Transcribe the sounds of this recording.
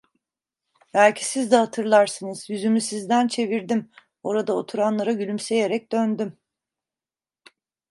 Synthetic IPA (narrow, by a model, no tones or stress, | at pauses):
bælʲcʰi̥sizd̪ɛhat̪ʰɯɾlˠaɾsɯnɯz̥jyzymysizd̪ænt͡ʃʰe̞viɾd̪im | o̞ɾad̪aot̪ʰuɾanlˠaɾaɟylʲymse̞je̞ɾɛc̚d̪ønd̪ym